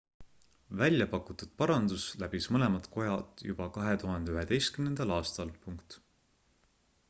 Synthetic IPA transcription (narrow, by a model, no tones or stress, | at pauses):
vælʲjɑpɑkːˑut̪ːud̪̥̚pɑɾɑnd̪̥uslæbismɤle̞mɑt̪kʰo̞jɑt̪ːˑjub̥ɑkɑɦe̞t̪uɦɑnd̪eyɦe̞d̪e̞jst̪̚kymnend̪̥ɑlɑːst̪ɑlpuŋkt̪